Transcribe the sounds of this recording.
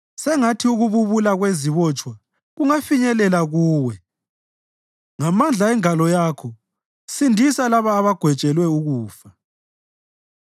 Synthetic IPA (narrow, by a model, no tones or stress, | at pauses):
sɛŋatʰiuɣuβuβulaɣweziβɔt͡ʃʼwa | ɣuŋafiɲɛlɛlaɣuːwɛ | ŋamand͡ɮʱaɛŋalɔjaːkʰɔ | sindʱisalaβaːβaɡ̥ʱwɛt͡ʃʼɛlwɛuɣuːfa